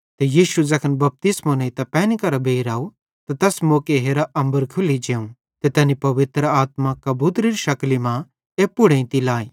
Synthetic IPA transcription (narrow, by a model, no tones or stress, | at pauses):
t̪ejiːʃud͡zɐkʰənbɐp̚t̪ɪsmõnẽit̪ɐpɛːnikɐɾabeːiɾaːu | t̪at̪ɛːsmoːkeɦeːɾaʔɐ̃mbəɾkʰʊlid͡ʒeːũ | t̪et̪ɛːnipɐʋɪt̪ɾəaːt̪makɐbut̪ɾiɾʃɐklimã | eːpʊɽẽĩt̪ilaːi